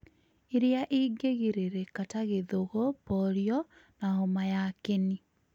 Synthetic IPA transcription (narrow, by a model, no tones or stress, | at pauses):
iɾeaʔiːɡeɣiɾeɾekataɣeðoɣɔpɔɾjɔ | nahomajakeni